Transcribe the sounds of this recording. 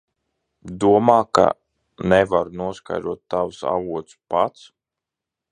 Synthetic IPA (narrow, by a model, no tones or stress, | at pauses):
d̪uɔmaːka̰ | nɛvaɾnuɔska̰jd̪ɾuɔt̪ːawsa̰vuɔt̪spat̪s